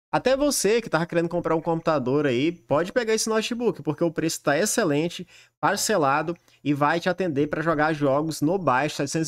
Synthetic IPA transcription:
at̪ɛvosekɪt̪avɐkeɾẽnd̪ʊkõmpɾaɾũkõmpu̥t̪ad̪oɾɐipɔd͡ʒɪpeɡaɾisʊnɔt͡ʃibukɪ̥poɾkeʊpɾesʊ̥t̪aeselẽt͡ʃɪ | paɾselad̪ʊ | ɪvajt͡ʃɪat̪ẽnd̪epɾɐʒɔɡaɾʒɔɡʊznʊbajʃʊ̥sɛd͡ʒsẽ

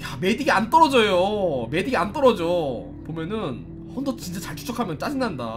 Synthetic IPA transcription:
jamediɡiant͈ʌɾʌd͡ʑʌjome̞diɡiant͈ʌɾʌd͡ʑo | pomjʌnɯn | hʌndʌt͡ɕint͡ɕ͈at͡ɕaɭt͡ɕʰu̥t͡ɕ͈ʰokʰamjʌnt͡ɕ͈ad͡ʑinːanda̰

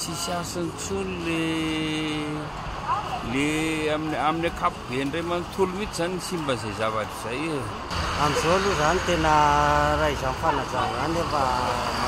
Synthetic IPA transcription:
t͡sisiasanit͡sulule | leaminaminakapubeɳɖ͡ʐemanit̪ʰulumit͡sizaniisimbənzajzavaɖ͡ʐiz̥aje | amizoluzanit̪enəraizanfanad͡zaanebaa

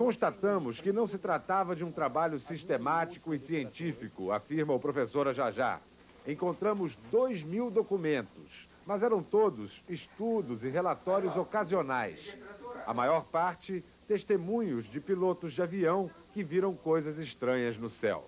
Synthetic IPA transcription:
kõst̪at̪ɐ̃mʊskɪnɐ̃w̃sɪt̪ɾat̪avɐd͡ʒɪũt̪ɾabaʎʊsiʃt̪emat͡ʃi̥kʊɪsiẽnt͡ʃifikʊa̰fiɾmɐʊpɾofesoɾɐʒaʒa̰ | ẽkõnt̪ɾɐ̃mʊzd̪ojzmiwd̪okumẽnt̪ʊs | mɐzɛɾɐ̃w̃t̪od̪ʊsɪʃt̪ud̪ʊzɪɦelat̪ɔɾjʊzokazionajsɐ̰majɔɾpaɾt͡ʃɪ | t̪eʃt̪emũɲʊzd͡ʒɪpilot̪ʊzd͡ʒɪaviɐ̃w̃ | kɪviɾɐ̃w̃kojzɐzɪʃt̪ɾɐ̃ɲɐznʊsɛ̰w

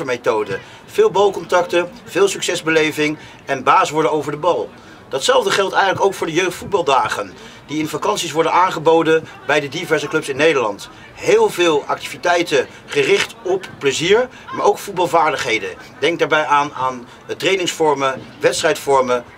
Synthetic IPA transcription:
əɹmejtowdə | v̥ɪːlˠbɑlˠkɔntɑktəv̥ɪːlˠsyksɛzbəlejvɪŋ | ɛnbaːsʋɔɹdənowvəɹdəbɑlˠ | d̥ɑtsɛlˠvdəχɛlˠtɛjχənləkowkfʊːɹdəjøɥχtfud̚bɑlˠdaːχən | diɪnvakɑnsis̬ʋɔɹdənaːnχəbowdən | bɛjdədivɛɹzəklɵpsɪnːejdəɹlɑ̰nt | ɦɪːlˠvɪːlˠɑk̚tivitɛjtə | χərɪχtɔppːləziːɹ | maːɹowkfut̚bɑlˠvaːɹdəχɦejdə̰ | dɛŋk̚daːɹbɛjʔaːnaːn | trejnɪŋsfɔɹməʋɛtstrɛjtfɔɹmə

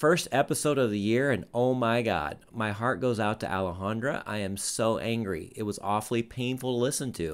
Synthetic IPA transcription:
fɜ˞stɛpəsoʊɾʌvðɨjɪɹɨ̃noʊmaɪɡɑ̰d̥̚maɪɦɑɹt̚ɡ̥oʊzaʊtʰɨ̰ʔæ̰lˠəɦɑ̃ndɹɨ̰ʔa̰ɪɨ̃msoʊʔæ̃ŋɡɹḭʔɪt̚wʌzɔfl̩ˠipʰẽɪ̃nfl̩ˠtʰəlɪsɨ̃ntʰʉ

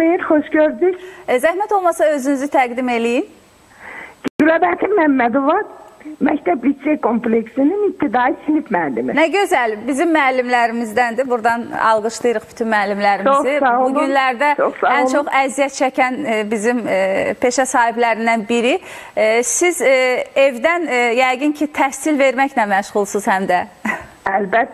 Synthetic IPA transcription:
xejiɾxoʃɟøɾd̪yczæhmæt̪ʰo̞lˠmɑsɑø̞zynyzyt̪ʰæɡd̪ime̞lijin | ɡ̥ylæbæt̪ʰimːæmːæd̪ovɑmæct̪ʰæbit̪d͡ʒekʰompleksininip̚t̪ʰːid̪ɑisinipmæːlːiminæɟø̞zælbizimːæːlːimlæɾimizd̪ænd̪ibuɾd̪ɑnɑ̰lˠɡɯʃlˠɯjɾɯχb̥y̥t̪ʰynmæːlːimlæɾimiozisɑouɡynlæɾd̪æt͡ʃʰoχsɑænt͡ʃʰo̞χæzijæt̪̚t͡ʃʰæcʰænbizimpʰe̞ʃæsɑːhiblæɾind̪ænbiɾi | size̞vd̪ænjæjɡɯncʰit̪ʰæhsilve̞ɾmæçlæmæʃʁulˠsuz̥hæmd̪æ | ælbæt̪ː

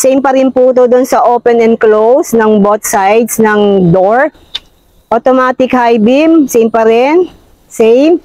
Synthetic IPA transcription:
sɛjmpɐɾɪnpud̪od̪onsɐʔopɛnɛnd̪̚klowsnɐŋbot̪̚sajd̪snɐŋd̪oɹ | ʔot̪omaːt̪ɪkhajbɪmsɛjmpɐɾɛn | sɛjm

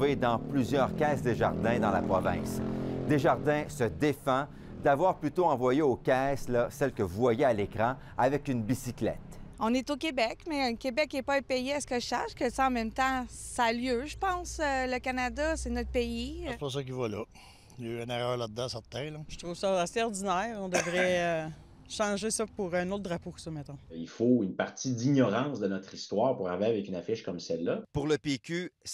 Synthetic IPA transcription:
ved̪ɑ̃plyzjœːʁkʲɛːsd̪eʒa̰ʁd̪ɛ̃d̪ɑ̃la̰pʁɔvɛ̃sd̪eʒaʁd̪ɛ̃səd̪efɑ̃ | d̪avwaːʁplyt̪oɑ̃vwajeokʲɛslʌsɛlkəvuvwajealekʁɑ̃ | avɛkynbisiklɛ̰t̪ɔ̃net̪okʲebɛkmɛkʲebɛkɛpɔepejeasə̥kəʃaʃkəsaɑ̃mɛ̃mt̪ɑ̃saːljøʒəpɑ̃ːsøləkanad̪asɛnɔt̪̚peipɔʁs̬ɔk̬ivɔlʌ | jəɛ̃nɛʁœːʁlad̪̚ːɑ̃sɛʁt̪ɛ̃lɔʒə̥t̪ʁuv̥sʌaseɔʁd̪inɛːʁɔ̃d̪əvʁɛø | ʃɑ̃ːʒesʌpuʁœ̃not̪̚d̪ʁapoksɔmɛt̪ɔ̃ilfoynpaʁt̪id̪iɲɔʁɑ̃sd̪ənɔt̪χist̪waːʁpuʁaveavɛkynafɪʃkɔmsɛlːapuʁləpekʲys

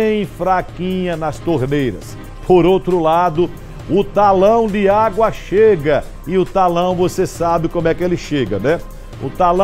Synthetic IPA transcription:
ẽj̃fɾakĩɲɐnɐst̪oɾnejɾɐ̰s | pʰoɾowt̪ɾʊlad̪ʊ | ʊt̪alɐ̃w̃d̪ɪaɡwɐʃeɡɐ | ɪʊt̪alɐ̃w̃vosesabɪkõmʊɛkɪelɪʃeɡɐnɛ | ʊ̰t̪alɐ̃

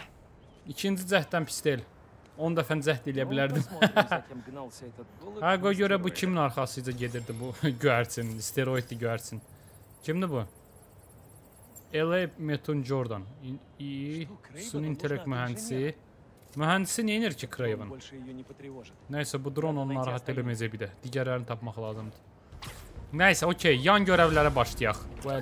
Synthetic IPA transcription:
icʰind͡ʒid͡zæht̪ːænpʰi̥st̪el | o̞nd̪æfænd͡zæht̪elijæbilæɾd̪im | hæɡoɟøɾæbucʰiminɑɾχɑsɯjd͡z̪ɑɟe̞d̪iɾd̪ibuɟøæɾsinist̪ʰe̞ɾo̞id̪̚d̪iɟøæɾsin | cʰimd̪ibu | elˠemet̪ʰund͡ʒoɾd̪ɑn | i | sunint̪ʰelʲek̚t̪myɦænd̪isi | myɦænd̪isineniɾcʰikʰɾejevɯn | næisæbud̪ɾo̞no̞nunɑɾɑɦɑt̪ʰːe̞læmæd͡ʒæbid̪æd̪̥iɟæɾlæɾinit̪ʰɑpmɑχlˠɑːzɯmd̪ɯ̥ | næisæocʰejjɑnɟøɾævlæɾæbɑʃlˠɯjɑχbuæ

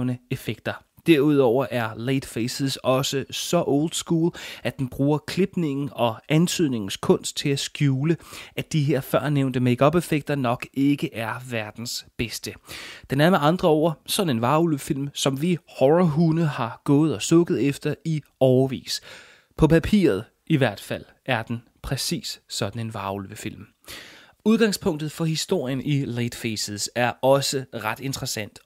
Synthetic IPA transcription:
nəe̝feɡ̥̚d̥ɐd̥eɐ̰uð̞̰ˠɒʊ̰ɐʔæɐleɪd̥feɪsesɒ̽səsɒ̽ʔɔʊld̥sɡ̥uːlæd̥enb̥ʁuːɐkʰle̝b̥ne̝ŋn̩ɒ̽ʔænt͡sʰyð̞̰ˠne̝ŋn̩skʰɔ̽n̰sd̥̚t͡sʰe̝læsɡ̥juːləʔæd̥iɦeɐ̰fɶɐ̰neʊnd̥əmeɡ̥ɒ̽b̥efeɡ̥̚d̥ɐnɒ̽ɡ̥e̝ɡ̥əʔæɐʋæɐd̥n̩sb̥esd̥əd̥enæɐmeɑ̈nd̥ʁɐɒ̰ːɐsɒ̽d̥n̩e̝nʋɑ̈ulʋəfil̰msɒ̽mʋihɒʁɐɦunəhɑ̈ɡ̥ɔ̽ːð̩ˠɒ̽sɔ̽ɡ̥əð̞̩ˠefd̥ɐi | ɒʊɐʋḭːs | pʰɒ̽pʰæpʰḭːɐð̞̩ˠ | iʋæɐ̰d̥fæl̰ | ʔæɐd̥en | pʰʁɛsḭːssɒ̽d̥n̩e̝nʋɑ̈ulʋəfil̰m | uð̞ˠɡ̥ɑ̈ŋspʰɔ̽ŋ̰d̥ð̞̩ˠfɒ̽hisd̥o̝ɐ̰jənʔiled̥fesəsæɐɒ̽səʁɑ̈d̥e̝nd̥ʁɐsæn̰d̥

